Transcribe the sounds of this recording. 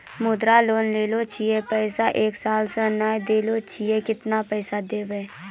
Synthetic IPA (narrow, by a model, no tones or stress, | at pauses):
mʊd̪ɾaloːnleːlot͡ʃʰijepɛːsaʔeːksaːlsə̃naːjd̪eːlot͡ʃʰijekɪt̪napɛːsad̪eːʋɛ̃ː